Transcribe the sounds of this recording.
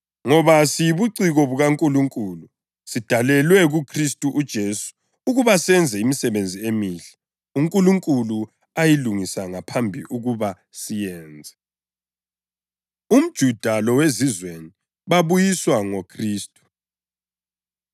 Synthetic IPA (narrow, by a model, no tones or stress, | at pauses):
ŋɔβasijiβuǀiɣɔβuɣaŋkʼuluŋkʼulu | sid̥ʱalɛlwɛɣukʰristʼuʔud̥ʒ̥ʱesu̥ | uɣuβasɛnd͡zʱɛimisɛβend͡zʱiemiːɬɛ̥ | uŋkʼuluŋkʼulu | ajiluŋisaŋapʰambʱḭʔuɣuβa | sijɛːnd͡zʱɛ | um̩d̥ʒ̥ʱud̥ʱalɔwezizweni | βaβujiswaŋokʰriːstʼu̥